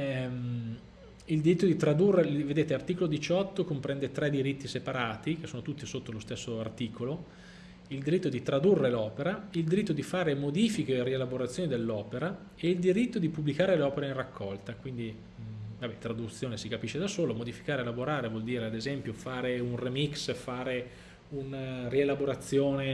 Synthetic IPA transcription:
ild̪iɾit̪ːod̪it̪ɾad̪urːeved̪eːt̪elart̪iːkolod̪it͡ʃɔt̪ːokompɾɛnd̪et̪ɾɛd̪iɾit̪ːisepaɾaːt̪ik̟esoːnot̪ut̪ːisot̪ːolost̪esːoart̪iːkolo | ild̪iɾit̪ːod̪it̪ɾad̪urːelɔːpeɾaild̪iɾit̪ːod̪ifaːɾemod̪iːfikeːrielaboɾat̪sːjoːnid̪elːɔːpeɾa | eild̪iɾit̪ːod̪ipubːlikaːɾeleɔːpeɾainrakʰːɔlt̪akwind̪i | vabɛt̪ɾad̪ut̪sːjoːnesikapiʃːed̪asoːlomod̪ifi̥kaːɾelaboɾaːɾevwɔld̪iːɾead̪ezɛmpjofaːɾeunremiksfaːɾe | unarielaboɾat̪sːjoːne

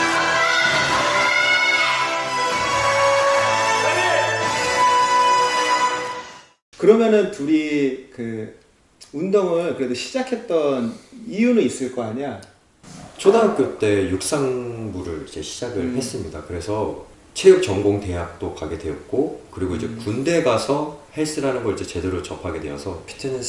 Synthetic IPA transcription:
kɯɾʌmjʌnɯntuɾikɯ | undoŋɯɭkɯɾe̞doɕʰi̥d͡ʑakʰe̞t̚t͈ʌnijunɯnis͈ɯɭk͈ʌaɲa | t͡ɕʰodaɦak͈jot͈e̞juk̚s͈aŋbuɾɯɭid͡ʑe̞ɕʰi̥d͡ʑaɡɯɭhe̞s͈ɯmɲidakɯɾe̞sʰʌ | t͡ɕʰejʌk̚t͡ɕʌŋɡoŋte̞ɦak̚t͈okaɡe̞dwe̞ʌt̚k͈okɯɾiɡoid͡ʑe̞kunde̞ɡasʰʌhe̞s͈ɯɾanɯnɡʌɾid͡ʑe̞t͡ɕe̞deɾot͡ɕʌpʰaɡe̞dwe̞jʌsʰʌkʰe̥tʰenɯn

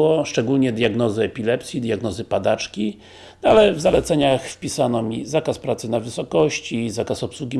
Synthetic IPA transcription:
ɔʂt͡ʂɛɡulɲɛd̪ʲjaɡnɔzɘɛpʲilɛpsʲjid̪jaɡnɔzɘpad̪at͡ʂkʲi | alɛvzalɛt̪sɛɲaxfpʲisanɔmʲizakaspɾat̪sɘnavɘsɔkɔɕt͡ɕizakasɔpswuɡʲi

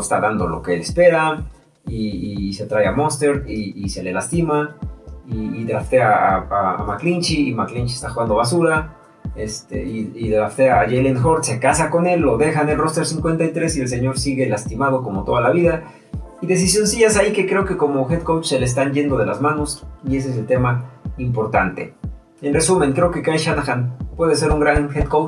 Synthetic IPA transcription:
est̪aðand̪o̞lo̞̰keelespe̞ɾa | iise̞t̪ɾajamost̪e̞ɾiːse̞le̞last̪ima | iːðɾaft̪eaːa̰maklint͡ʃiːmaklint͡ʃiest̪axuɣand̪o̞βas̬uɾa | est̪ḛiiðɾaft̪eaʝelenxo̞ɾt̪se̞kasako̞ne̞lːo̞ðe̞xane̞lro̞st̪eɾsiŋkwe̞nt̪ajt̪ɾe̞sie̞ls̬e̞ɲo̞ɾsiɣe̞last̪imað̞o̞komo̞t̪o̞ð̞alaβiða | iðe̞s̬isjo̞nsiʝasaikekɾe̞oke̞ko̞moxet̪kowt͡ʃseleːs̬t̪anʝe̞nd̪o̞ð̞e̞la̰zmano̞sie̞s̬es̬elt̪e̞maimpo̞ɾt̪ant̪e̞̰ | enre̞sumẽ̞ŋkɾe̞oke̞kajʃanaxanpwe̞ðes̬e̞ɾuŋɡɾanxet̪kowt͡ʃ

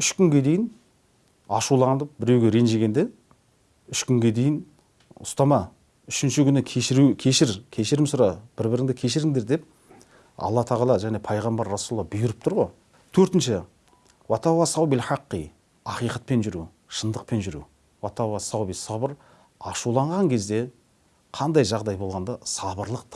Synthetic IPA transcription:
ʏʃkʲʏŋɡʲe̞d̪e̞jɪn | ɑʃulˠɑnd̪əp̚bɪɾe̞wɡʲe̞ɾe̞nʒeɡʲe̞nd̪e̞ | ʏʃkʲʏŋɡʲe̞d̪e̞jɪn | ʊst̪ɑmɑ | ʏʃɪnʃɪkʲʰʏnɪkʲʰeʃɪɾukʲʰe̞ʃɪɾkʲʰe̞ʃɪɾɪmsʊɾɑb̥ɪɾbɪɾɪŋd̪ɪkʲʰe̞ʃɪɾɪŋd̪e̞ɾd̪e̞p̚ | ɑ̰lˠːɑt̪ʰɑʁɑlˠɑʒæne̞pʰɑjʁɑmbɑɾːɑsullːˠɑbʊjʊɾəp̚t̪ʰʊɾʁoj | t̪ʰɵɾt̪ɪnʃɪ | wɑt̪ʰɑwɑsɑwbilħɑqːi | ɑqijqɑt̪̚pe̞nʒʏɾu | ʃənd̪əq̚pe̞nʒʏɾṵ | wɑt̪ʰɑwɑsɑwbisɑbəɾ | ɑʃulˠɑɴʁɑŋkʲʰe̞zd̪e̞ | qʰɑnd̪ɑjʒɑʁd̪ɑjbo̞lˠʁɑnd̪ɑsɑbəɾlˠəq̚t̪ʰ

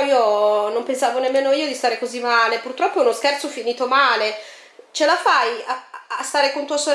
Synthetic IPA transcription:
iːonompensaːvonemːeːnoiːod̪ist̪aːɾekozimːaːlepurt̪ɾɔpːounoskɛrt̪sofiniːt̪omaːle | t͡ʃelafajaast̪aːɾekont̪uːasoɾ

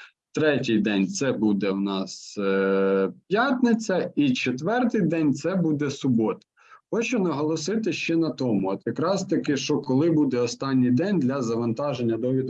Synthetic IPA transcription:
t̪ɾɛtʲijd̪ɛnʲt̪sɛbud̪ɛwnɑs | pʲjat̪nɪt͡sʲɐit͡ʃet̪ʋɛrt̪ɪjd̪ɛnʲt̪sɛbud̪ɛsʊbɔt̪ɐ̥ | xɔt͡ʃʊnɐɦɔlˠɔsɪt̪ɪʃt͡ʃɛnɐt̪ɔmʊɔt̪jɐkɾɑst̪ɐkɪʃt͡ʃɔkɔlˠɪbud̪ɛɔst̪ɑnʲːijd̪ɛnʲd̪lʲɐzɐʋɐnt̪ɑʒenʲːɐd̪ɔʋʲid̪

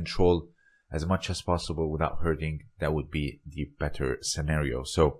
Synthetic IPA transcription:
ntʰɹ̥oʊlˠ | ʔɨzmʌt͡ʃɨz̥pʰɑsəbəl̩ˠwɪðaʊt̚hɜ˞ɾɪ̃ŋðɨt̚wəd̚biðɨb̥ɛɾʰə̰˞sɨnɛɹio̰ʊsoʊ

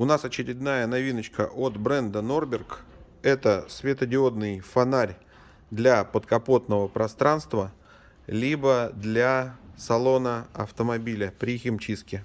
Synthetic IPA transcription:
ʊnasɐt͡ɕɪɾʲɪd̪najənɐvʲinət͡ɕkə̰ʔot̪bɾɛnd̪əno̞rbʲɪrk | ɛt̪əsvʲet̪ədʲɪo̞d̪nɨjfɐnaɾʲ | d̪lʲapət̪kɐpo̞t̪nəvəpɾɐst̪ɾanst̪və | lʲibəd̪lʲasɐlˠo̞nəɐ̰ft̪əmɐbʲilʲəpɾʲɪxʲɪmt͡ɕiskʲɪ

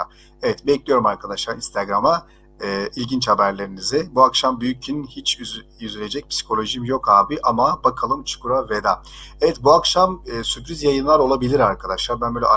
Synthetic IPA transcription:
evɛt̪bɛclʲijo̞ɾumaɾkʰad̪aʃlˠaɾinst̪ʰaɡɾamaː | ilʲɟint͡ʃhabæɾlʲe̞ɾinizɪbuakʃambyjycʰinhit͡ʃjyzylʲe̞d͡ʒɛc̚pʰsi̥kʰo̞lʲˠo̞ʒimjo̞khaːbiʔamabakʰalˠɯmt͡ʃʰɯ̥kuɾaved̪a | evɛt̪buakʃamːsypɾizjajɯnlˠaɾo̞lˠabilʲiɾaɾkʰad̪aʃlˠaɾbænbøːlʲɛ̰ʔ

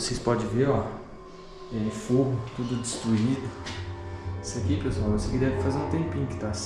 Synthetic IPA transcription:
sespɔd͡ʒɪveɾɔ | ɛfoɦʊt̪ud̪ʊd͡ʒɪst̪ɾuid̪ʊ | isɐkipesuawosekɪd̪ɛvɪfazeɾũt̪ẽmpĩɲʊkɪ̥t̪as

